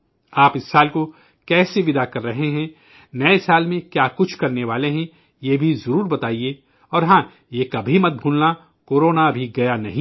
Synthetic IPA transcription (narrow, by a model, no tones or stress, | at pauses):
aːpɪsːaːlko | kɛːseʋɪd̪akɐɾːɐɦeɦɛ̃ | nɐesaːlmẽkjaːkʊt͡ʃʰkɐɾneʋaːleɦɛ̃ | jebʱizɐɾuːɾbɐt̪aːie | ɔːɾɦãː | jekɐbʱimɐt̪̚bʱuːlna | koːɾoːnabʱiɡɐjanɐɦĩ